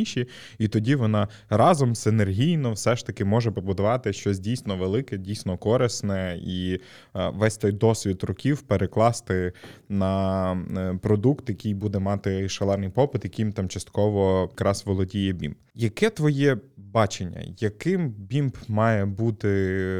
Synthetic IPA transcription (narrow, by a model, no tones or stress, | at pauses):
iʃʲi | it̪ɔdʲiʋɔnɑ | ɾɑzɔmzɪnerɦʲijnɔwsɛʃt̪ɐkɪmɔʒɛpɔbʊd̪ʊʋɑt̪ɪʃt͡ʃɔs̬ʲdʲijsʲnɔʋelˠɪkɛdʲijsʲnɔkɔɾɪsnɛi | ʋɛsʲt̪ɔjd̪ɔsʲʋʲid̪rʊkʲiwpeɾʔeklˠɑst̪ɪnɐ | pɾɔd̪ukt̪jɐkʲijbud̪ɛmɑt̪ɪʃɐlˠɛrnɪjpɔpɪt̪jɐkʲimt̪ɑmt͡ʃɐst̪kɔʋɔkɾɑsʋɔlˠɔdʲijɛbʲḭmbjɐkɛt̪ʋɔjɛbɑt͡ʃenʲːɐ̰jɐkɪmbʲimbmɑjɛbut̪ɪ